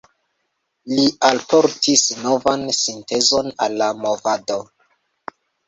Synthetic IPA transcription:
lialpʰoɾtʰisno̞vansinte̞zo̞nalːamo̞vado

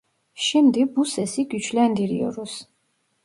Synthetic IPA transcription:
ʃɛmd̪ibusɛsiɡyt͡ʃʰlɛnd̪iɾiɔ̰ɾus

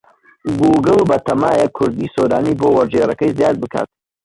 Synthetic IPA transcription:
ɡuɡɨlbɐt̪ʰɐmaːjɐkʰʊɾd̪iːsoːɾa̰ːniːbowɐɾd͡ʒeɾɐkɐjzijaːd̪̚bɨkʰa̰ːt̪̚

